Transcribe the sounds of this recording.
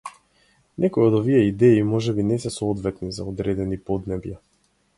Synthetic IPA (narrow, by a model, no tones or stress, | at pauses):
nʔɛkɔjod̪ɔviɛid̪ɛimɔʒɛbinɛsɛsɔɔd̪vɛt̪niza̰ɔd̪ɾɛd̪ɛnipɔd̪nɛbja